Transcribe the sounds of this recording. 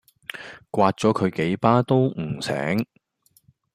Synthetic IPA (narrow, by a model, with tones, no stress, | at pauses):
kʷaː˧t̚t͡sɔː˨˥kʰɵ˨˧ɥke˨˥jpaː˥t̪o˥w̩˨˩sɛ̰ː˨˥ŋ